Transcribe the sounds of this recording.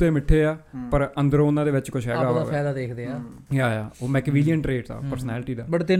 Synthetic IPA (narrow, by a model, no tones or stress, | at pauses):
t̪eːmɪʈʰːeːaːpəɾənd̪əɾoːʊnːãːd̪eːʋɪt͡ʃkʊʃʰɦɛːɡaːaɛːd̪aːd̪eːkʰd̪eːãːaːjaːoːmɛːkʋɪlijəɳʈɾeːʈd̪a̰ːpəɾsnɛːlʈiːd̪aːbəɽt̪ɪ